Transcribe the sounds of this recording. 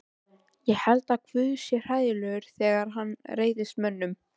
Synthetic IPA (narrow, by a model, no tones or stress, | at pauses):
jɛhɛlt̪akʰvʏːðsjɛr̥aːjðɪlœːɣʏɾ̥θɛːɣaɾ̥ɦanːreːjðɪst̪mœnːʏm